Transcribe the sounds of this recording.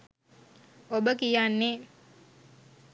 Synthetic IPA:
obəkijanːe

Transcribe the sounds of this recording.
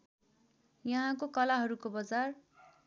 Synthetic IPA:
jʌɦãkokʌlaɦʌɾukobʌd͡zar

